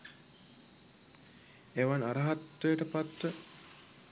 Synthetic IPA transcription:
eʋanaɾɐɦat̪ʋejəʈəpat̪ʋə

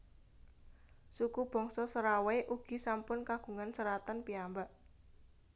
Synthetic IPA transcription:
sukub̥ɔ̤ŋsɔsəɾaweʔuɡ̥i̤sampʊnkaɡ̥ṳŋansəɾat̪anpiambaʔ

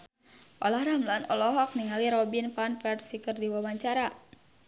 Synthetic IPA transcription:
ʔɔlahɾamlanɔ̰lɔɦɔk̚niŋaliɾɔbinpanpɛrsikərdiwawaɲt͡ʃaɾa

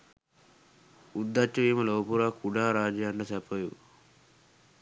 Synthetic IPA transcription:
ud̪ːɐt͡ʃːɐʋiːmɐloːpuɾakuɖaːɾaːd͡ʒjaːɳɖɐsɛpɐjṵ

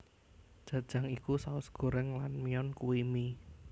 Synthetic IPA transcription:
d̥ʒ̥ä̤d̥ʒ̥ä̤ŋikusaʊsɡ̥o̤ɾəŋlanmiɔnkuwimi

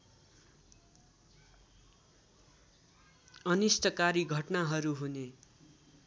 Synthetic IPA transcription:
ʌnisʈʌkaɾiɡʱʌʈnaɦʌɾuɦune

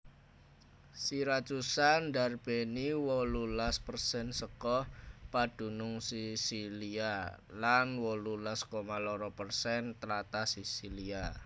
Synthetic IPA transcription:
siɾat͡ʃusandarb̥eniwɔlulaspərsɛnsəkɔhpad̥ṳnʊŋsisilialanwɔlulaskomalɔɾɔpərsɛnt̪əlat̪asisilia

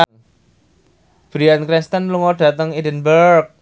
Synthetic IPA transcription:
b̥ɾiankɾinst̪ənluŋɔɖ̥ä̤t̪əŋidənbərk̚

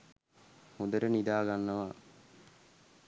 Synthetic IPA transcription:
hud̪əɾənid̪aːɡanːəʋa

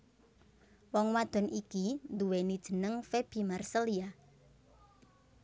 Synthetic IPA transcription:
wɔŋwad̪̥ɔ̤nikind̪uwenid̥ʒ̥ə̤nəŋfeb̥i̤marsəlia

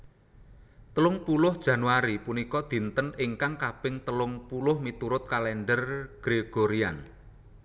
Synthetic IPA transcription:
t̪əlʊŋpulʊhd̥ʒ̥ä̤nuaɾipunikɔd̪̥i̤nt̪ənɪŋkaŋkab̥ɪŋt̪əlʊŋpulʊhmit̪uɾʊt̪̚kalɛɳɖərɡ̥ɾeɡ̥oɾian

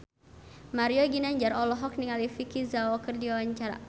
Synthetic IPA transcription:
maɾijɔɡinaɲd͡ʒaɾɔlɔɦɔk̚niŋalifikizawɔkərdiwawaɲt͡ʃaɾa̰

